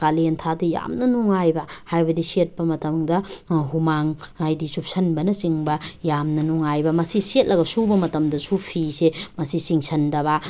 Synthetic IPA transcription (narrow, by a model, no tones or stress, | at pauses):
kalintʰadija̰mnɐnuŋajbɐhajbɐdisiet̚pɐmɐtɐmdɐɦumaŋajdisup̚sɐnbɐnɐsiŋbɐjamnɐnuŋajbɐmɐsiset̚lʔɐɡɐsubɐmɐtɐmdɐsupʰisemɐsisiŋsʰɐndɐβa